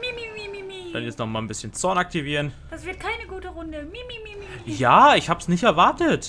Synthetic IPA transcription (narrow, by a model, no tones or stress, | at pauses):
mimiimimid̥anjɛt͡stnɔχmaːlnbɪsçənt͡sɔɐnak̚tiviːʁənd̥asv̥ɪɐt̚kʰaɪnəɡuːtəʁʊndəmimimijaːɪçhaːbəsnɪçtɛɐvaɐtət